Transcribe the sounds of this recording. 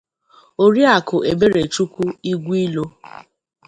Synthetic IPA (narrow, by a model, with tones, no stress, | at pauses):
o˦ɾi˦a˨kʊ˨ʔe˨be˦ɾe˨t͡ʃu˦ku˦i˦ɡʷi˦lo˦